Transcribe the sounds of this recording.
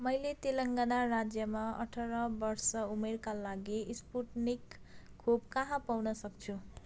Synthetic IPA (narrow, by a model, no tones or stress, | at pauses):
mʌjlet̪elʌŋɡanarad͡zjʌmaʌ̰ʈʰʌɾʌbʌrsʌumerkalaɡispuʈnikʰː | obkaɦãpawnʌsʌk̚t͡sʰu